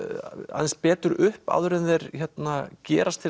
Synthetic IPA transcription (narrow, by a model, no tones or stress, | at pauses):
a̰ðɛnspɛːt̪ʏɾʏhpa̰ðʏɾɪnðɛɾ̥çɛt̪nacɛːɾast̪ʰɪ